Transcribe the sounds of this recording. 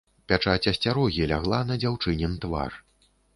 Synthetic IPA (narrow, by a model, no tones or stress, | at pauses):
pʲat͡ʂat͡sʲɐsʲt͡sʲaɾɔɣʲilʲaɣlˠanɐd͡zʲawt͡ʂɨnʲɛnt̪va̰r